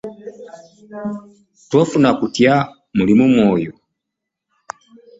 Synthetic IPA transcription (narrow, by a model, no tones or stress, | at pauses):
twɔfunakutia | mulimumwɔjɔ